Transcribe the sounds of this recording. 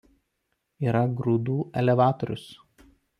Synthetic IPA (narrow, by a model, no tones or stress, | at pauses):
iːɾɐɡɾʊd̪uːʔɛlʲɛʋɑːt̪ɔɾʲʊs